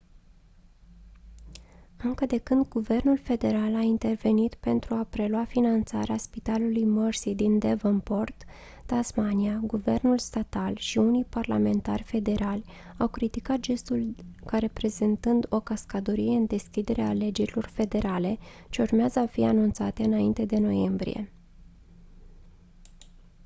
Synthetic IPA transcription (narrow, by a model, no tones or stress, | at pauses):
ɨŋkəd̪e̞kɨnd̪ɡuve̞rnulfe̞d̪e̞ɾalaint̪e̞rve̞nit̪pe̞nt̪ɾuapɾe̞luafinant̪sa̰ɾeaspit̪alulujmərsid̪ind̪evəmpo̞rt̪ː | asmaniaɡuve̞̰rnulst̪at̪alʃiunijparla̰me̞nt̪a̰rʲfe̞d̪e̞ɾalʲ | awkɾit̪ikat̪̚d͡ʒe̞st̪ulkaɾe̞pɾe̞zent̪ɨnd̪o̞kaskad̪oɾije̞ɨnd̪e̞skʲid̪e̞ɾeale̞d͡ʒe̞ɾilo̞rfe̞d̪e̞ɾale̞t͡ʃe̞urmeazəafianunt̪sat̪e̞ɨnaint̪e̞d̪e̞no̞je̞mbɾḭje̞̰